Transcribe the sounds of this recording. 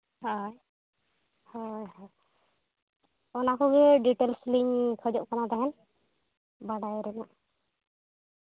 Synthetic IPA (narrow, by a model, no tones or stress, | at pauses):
hɔj | hɔjɦaj | ɔnakɔɡɛɖiʈelslimkʰɔd͡ʒɔʔkanad̪aɦɛn | baɽajɾɛnaʔ